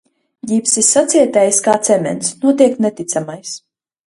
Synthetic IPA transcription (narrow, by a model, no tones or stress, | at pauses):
ɡipsisːat̪sʲiɛt̪ɛjskaːt̪sɛmʲɛ̰nsnuɔt̪̬iɛk̚t̪nɛt̪it̪samajs